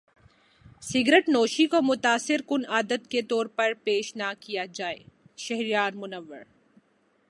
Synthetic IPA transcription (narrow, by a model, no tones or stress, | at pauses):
sɪɡɾeʈnoːʃikomʊt̪aːsɪɾkʊnaːd̪ət̪ket̪ɔːɾpɐɾpeːʃnakijad͡ʒaːḛː | ʃɐɦɾijaːɾmʊnəʋːə̰ɾ